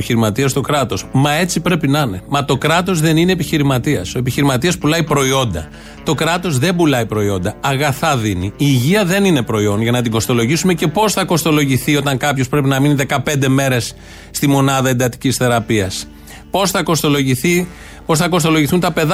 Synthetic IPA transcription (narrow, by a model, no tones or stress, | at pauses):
çiɾimɐt̪iɐst̪o̞kɾɐt̪o̞smɐe̞t͡sipɾe̞pinɐne̞mɐt̪o̞kɾɐt̪o̞zðe̞nine̞ːpiçiɾimɐt̪iɐso̞epiçiɾimɐt̪iɐspulɐipɾo̞io̞nd̪ɐ | t̪o̞kɾɐt̪o̞zðe̞bulɐipɾo̞io̞nd̪ɐɐɣɐθɐðiniiːʝiɐðe̞nine̞pɾo̞io̞nʝɐnɐt̪iŋɡo̞st̪o̞lo̞ʝisume̞ce̞po̞sθɐko̞st̪o̞lo̞ʝiθio̞t̪ɐŋkɐpço̞spɾe̞p̬inɐminiðe̞kɐpe̞nd̪e̞me̞ɾe̞sː | t̪imo̞nɐðɐend̪ɐt̪i̥cisθe̞ɾɐpiɐs | po̞sθɐko̞st̪o̞lo̞ʝiθi | po̞sθɐko̞st̪o̞lo̞ʝiθunt̪ɐpe̞ð